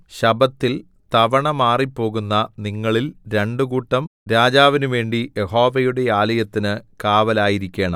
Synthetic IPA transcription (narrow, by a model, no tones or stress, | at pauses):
ɕɐbɐt̪ːil | t̪ɐʋɐɳɐmaːripːo̞ːɣunːɐniŋːɐɭilɾe̞ɳɖukuːʈːɐmɾaːd͡ʑaːʋinuʋe̞ːɳɖije̞ho̞ːʋɐjuɽe̞aːlɐjɐt̪ːinɨkaːʋɐlaːjiɾikʲːe̞ːɳɐ̰m